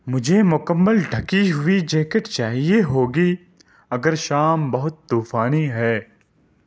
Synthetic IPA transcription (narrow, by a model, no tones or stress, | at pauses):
mʊd͡ʒʱemʊkəmːəlɖʱɐkiɦʊid͡ʒeːkəʈt͡ʃaːɦieɦoːɡi | ɐɡəɾʃaːmbɐɦʊt̪ːuːfaːniɦɛː